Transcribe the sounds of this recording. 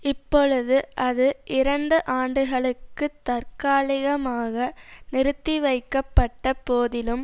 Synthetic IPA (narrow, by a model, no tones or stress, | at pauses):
ɪpːɔɻɯðɯʔɐðɯʔɪɾɐɳɖɯʔaːɳɖɯɣɐɭɯkːɯt̪ːɐɾkaːɭɪɣɐmaːɣɐnɪɾɯt̪ːiʋɐɪkːɐpːɐʈːɐpoːðɪlɯm